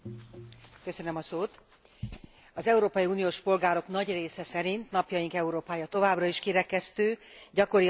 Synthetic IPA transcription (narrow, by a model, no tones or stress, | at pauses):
kø̞sø̞nø̞mɒsoːt̪ | ɒzɛuɾoːpɒjiuːnijoːʃpo̞lɡaːɾo̞knɒɟreːsɛsɛɾint̪nɒpjɒjiŋkɛuɾoːpaːjɒt̪o̞vaːbrɒiʃkiɾɛkɛst̪øːɟɒko̞ɾi